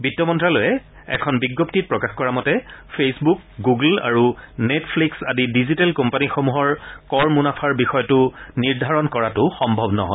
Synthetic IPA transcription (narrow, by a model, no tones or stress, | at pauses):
bitːɔmɔntɹalojɛ | ɛ̰kʰɔnbiɡːoptit̚pɹɔkaxkɔɹamɔtɛpʰesbuk̚ɡuɡla̰ɹunetʰpʰliksadidizitalkɔmpanixomuɦɔɹkɔɹmunapʰaɹbixɔjɔtʊniɹdʱaɹɔnkɔɹatʊxɔmbʱɔbnɔ̰ɦɔ̰j